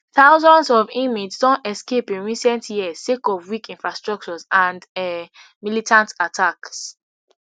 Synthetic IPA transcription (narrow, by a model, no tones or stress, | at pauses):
θaʊzɔ̃ndsɔvĩmid͡ʒsdɔ̃ntɛskepĩnɹisɛ̃ntʰjiə̥sekɔvwikĩnfɹastɹɔk̚t͡ʃɔzãndɛ | militʰãntatʰaks